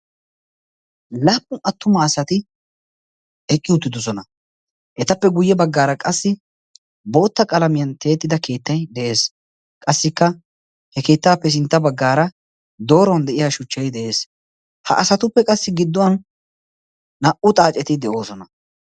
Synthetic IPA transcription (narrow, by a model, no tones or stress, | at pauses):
laːpʼːʊʔɐt̪ːʊmɐːsɐt̪ɪ | ɛkʼːɪʊt̪ːɪd̪ɔs̬ɔnɐ | ʔɛt̪ɐpːɛɡʊjːɛbɐɡːaːɾɐkʼɐsːɪ | bo̞ːt̪ːɐkʼɐlɐmɪjɐnt̪e̞ːt̪ːɪd̪ɐke̞ːt̪ːɐjd̪ɛʔe̞ːs | kʼɐsːɪkːɐ | hɛke̞ːt̪ːaːpːɛs̬ɪnt̪ːɐbɐɡːaːɾɐ | d̪o̞ːɾɔnd̪ɛʔɪjaːʃʊt͡ʃːɐjd̪ɛʔe̞ːs | hɐ̰ʔɐsɐt̪ʊpːɛkʼɐsːɪɡɪd̪ːɔwɐn | ɐʔʊt̪ʼaːt͡ʃʼːɛt̪ɪd̪ɛʔo̞ːsɔnɐ